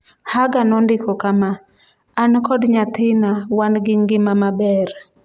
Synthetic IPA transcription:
haɡanɔndɪkɔkamaː | nkɔdɲat̪ɪnawanɡɪŋɡɪmamabɛr

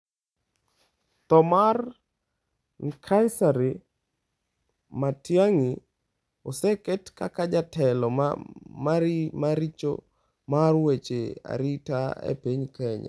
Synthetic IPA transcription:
t̪ɔmar | kʰajsaɾɪ | matjaŋi | osɛkɛtkakad͡ʒatɛlɔmamaɾit͡ʃo̰ | marwet͡ʃea̰ɾitaḛpiɲkɛɲa̰

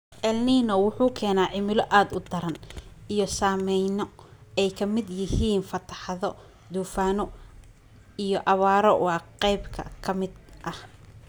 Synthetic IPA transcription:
ʔɛlniːnɐwʊħuːkʰɛːnaːʕɪmɪlɔʔaːd̪ʊd̪ɐɾɐnijɞsaːmɛjnɔɛjkʰɐmɪd̪jɪhiːnfɐt̪ʰɐħɑðɔ | d̪uːfaːnɔ | ijɔʔɐβaːɾɔwɑːqɛjbkʰɐ̰kʰɐmɪd̪ʔɐh

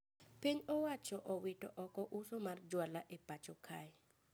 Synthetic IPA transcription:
piɲɔwat͡ʃɔʔɔwɪtɔ̰ʔɔkɔʔusomard͡ʒwalaʔepat͡ʃɔkʰaj

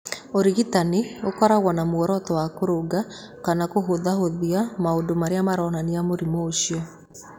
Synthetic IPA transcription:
oɾiɣitaneokɔɾaɣwɔnamwɔɾɔtɔwakoɾoɡa | kanakoɦoðaɦoðiamaodomaɾeamaɾɔːnaniamoɾimoːɕiɔ

